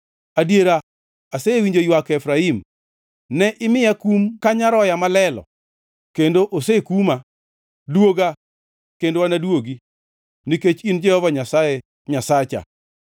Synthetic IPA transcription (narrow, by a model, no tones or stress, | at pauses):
adjeɾa | aseewiɲd͡ʒojwakɛfɾaim | nɛʔɪmɪjakumkaɲaɾɔjamalɛlɔ̰ | kendoʔosekuma | dwoɡa | kendowanadwoɡi | niket͡ʃind͡ʒɛhɔvaɲasaje | ɲasat͡ʃa̰